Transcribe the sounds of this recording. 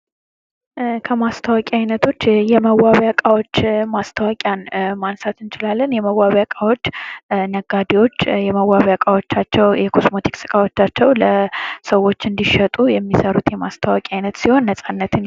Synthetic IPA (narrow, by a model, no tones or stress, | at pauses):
kʰəmast̪ʰəwakʼiajnət̪ʰo̞t͡ʃːjɛməwaβjakʼawot͡ʃːmast̪ʰəwakʼjanmansat̪ɨnt͡ʃɪlalːənjɛməwaβjakʼawo̞t͡ʃːnəɡad̪ewo̞t͡ʃːjɛməwaβjakʼawo̞t͡ʃːat͡ʃːɛwjɛkʰo̞smo̞t̪ʰi̥ksɨ̥kʼawot͡ʃːat͡ʃːɛwləsəwːo̞t͡ʃːɨnd̪iʃət̪ʼujɛmːisəɾut̪jɛmast̪ʰəwakʼiajnət̪siho̞nːəsʼanːət̪ʰɨn